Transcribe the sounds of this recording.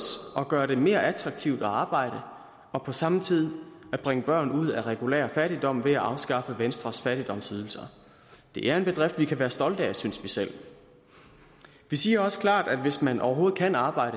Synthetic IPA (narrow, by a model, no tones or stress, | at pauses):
sʔɒ̽ɡ̥ɶːɐɾ̥e̝me̝ːɐʔæt͡sʰʁɑ̈ɡ̥̚t͡sʰiʊd̥ɒ̽ɑ̈ːb̥ɑ̈ɪ̰ɾ̥ə | ɒ̽pʰɒ̽sɑ̈mət͡sʰið̰ˠæb̥ʁɛŋəb̥ɶɐ̰nuð̞̰ˠæʁɛɡ̥ulḛːɐfæɾid̥ɒ̽m̰ʋe̝æʔɑ̈ʊsɡ̥ɑ̈fəʋensd̥ʁɐsfæɾ̥id̥ɒ̽m̰syðˠl̩sɐ | d̥e̝ʔæɐe̝nb̥e̝d̥ʁɛfd̥ʋikʰæʋæːɐsd̥ɒ̽ld̥æsynsʋisel̰ | ʋisiːɐɒ̽sə̥kʰlɑ̰̈ːd̥æd̥ʋe̝smænʔɒ̰ʊɐɦo̝ːð̩ˠkʰænɑ̈ːb̥ɑ̈ɪ̰ɾ̥ə